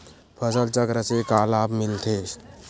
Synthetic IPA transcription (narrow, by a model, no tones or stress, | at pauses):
pʰəsəlt͡ʃəkɾəsekaːlaːpmɪlt̪ʰeːs